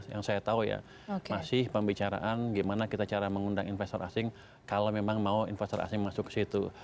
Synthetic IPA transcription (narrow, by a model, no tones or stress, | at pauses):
ja̰ŋsajat̪auja̰ | okmasɪhpəmbit͡ʃaɾa̰ʔanɡimanakit̪at͡ʃaɾaməŋundaŋinfɛst̪ɔɾʔa̰sɪŋ | kalomemaŋmauinfɛst̪ɔɾa̰sɪŋmasʊkːə̥sit̪u